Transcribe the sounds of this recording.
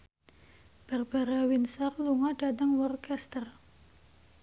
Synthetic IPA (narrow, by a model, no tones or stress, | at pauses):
b̥ərb̥aɾawinsarluŋaɖadaŋwɔrkɛst̪ər